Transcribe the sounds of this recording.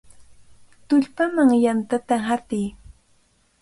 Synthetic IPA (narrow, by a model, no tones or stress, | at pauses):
t̪ʊʎpamaŋjant̪at̪aɦat̪ɪj